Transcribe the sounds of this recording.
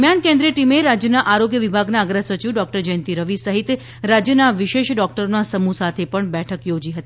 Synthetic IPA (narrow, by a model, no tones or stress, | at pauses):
mjankẽnd̪ɾijəʈimeɾad͡ʒjənaʔaɾoɡjəʋibʱaɡnaəɡɾasət͡ʃiʋɖɔk̚ʈəɾd͡ʒəə̃nt̪iɾəʋisəɦit̪ | ɾad͡ʒjənaʋɪʃeʃɖɔk̚ʈəɾnasəmusat̪ʰepəɳbɛʈʰəkjod͡ʒiɦət̪i